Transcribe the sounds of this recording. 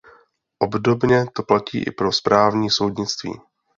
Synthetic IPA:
ʔo̞bdo̞bɲɛt̪o̞placḭːʔɪ̰pɾo̞spɾaːvɲiːso̞wdɲɪt͡st̪vḭː

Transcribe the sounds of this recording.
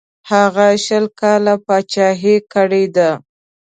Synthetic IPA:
haɣaʃəlkɑlapɑt͡ʃɑɦekəɽed̪a

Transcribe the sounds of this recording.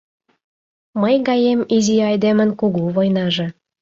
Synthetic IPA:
məjɣɑjemiziɑjd̪emə̆nkuɣuβojnɑʒĕ

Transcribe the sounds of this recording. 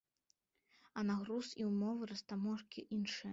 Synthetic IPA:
ɐnaɣɾusiwmɔvɨɾɐst̪amɔʂkʲiʔinʂɨjɛ

